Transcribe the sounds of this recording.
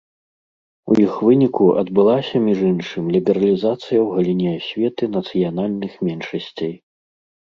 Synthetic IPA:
ujixvɨnʲikuʔɐ̰d̪bɨlˠasʲɐmʲiʐinʂɨmʲlʲibʲɛɾɐlʲizat̪sɨjɐwɣɐlʲinʲɛsʲvʲɛt̪ɨnɐt̪sɨjanalʲnɨxmʲɛnʂɐsʲt͡sʲej

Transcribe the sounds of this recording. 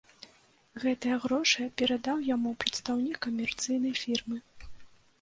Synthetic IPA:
ɣɛt̪ɐjɐɣɾɔʂɨjpʲɛɾad̪awjamupɾɐt̪st̪awnʲikːɐmʲɛrt̪sɨjn̪ɐjfʲirmɨ

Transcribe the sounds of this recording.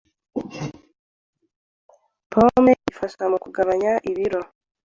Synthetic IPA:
pomeʔifaʃamukuɡaβaɲaʔiβiɾo

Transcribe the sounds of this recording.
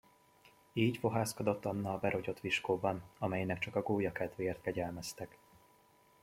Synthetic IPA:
iːɟfo̞ɦaːskod̪o̞t̪ːɒnːɒːbɛɾo̞ɟo̞t̪ʋiʃkoːbɒnɒmɛjnɛkt͡ʃɒkɒɡoːjɒkɛt̪ʋeːrt̪̚kɛɟɛlmɛst̪ɛk

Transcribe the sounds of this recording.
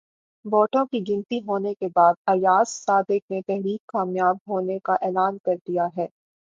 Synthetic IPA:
ʋɔːʈõkiɡɪ̃nt̪iɦoːnekebaːd̪̚ɐjaːsːaːd̪ɪk̚net̪ɛɦɾiːkːaːmjaːbɦoːnekaʔɛːlaːnkɐɾd̪ijaɦɛː

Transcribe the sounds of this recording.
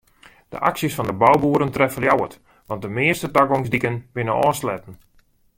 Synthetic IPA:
d̥ə̰ʔa̰ksjəsfɔndəbawbuːəɾəntrɛfəljawə̰t | ʋɑnt̚dəmɪərstətaɡoŋzdikənbɪnənɔːslɛtən̩

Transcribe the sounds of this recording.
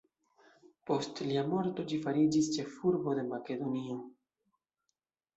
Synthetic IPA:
po̞stliamo̞ɾto̞d͡ʒifaɾid͡ʒist͡ʃe̞fuɾbo̞de̞make̞d̪o̞nio̞

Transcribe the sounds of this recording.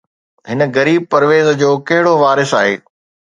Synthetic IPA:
ɦɪnə̆ɣɐɾiːb̚pɐɾʋeːzd͡ʑoːkɐɦɪɽoʋaːɾɪsaːɦḛː

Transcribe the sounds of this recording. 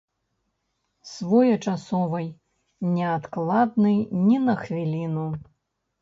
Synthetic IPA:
svɔjɐt͡ʂasɔvɐj | nʲɛat̪klˠad̪̚nɨjnʲinɐxvʲilʲinu

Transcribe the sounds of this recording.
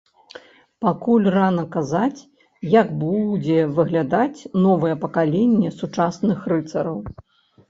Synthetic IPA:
pakulʲranɐkazat͡sʲ | jaɡbud͡zʲɛvɨɣlʲad̪at͡sʲnɔvɐjɛpɐkalʲɛnʲːɛsut͡ʂasnɨxrɨt̪sɐɾɐw

